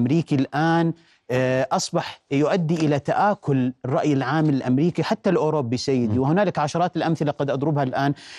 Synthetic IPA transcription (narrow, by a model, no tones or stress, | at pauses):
mɾiːkilʔaːn | ʔɑsˤbɑħjʊʔad̪ːiʔɪlat̪aʔaːkʊlrˤːɑʔjɪlʕaːmːɪlɪlʔamɾiːkiħat̪ːalʔoːɾobːisajːɪd̪iwɪhʊnaːlɪkʕaʃɑɾˤɑːt̪ɪlʔamθɪlaqɑd̪ʔɑd̪ˤɾʊbhalʔaːn